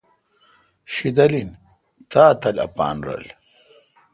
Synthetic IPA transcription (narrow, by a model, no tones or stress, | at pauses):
ɕid̪ɐlin | t̪aːt̪ɐlɐ̰pa̰ːnɾɐ̰l